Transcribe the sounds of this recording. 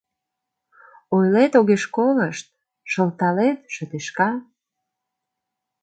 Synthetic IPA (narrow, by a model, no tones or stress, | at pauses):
ojlet̪oɣeʃkoləʃt̪̚ | ʃəlt̪ɑlet̪ʃət̪eʃkɑ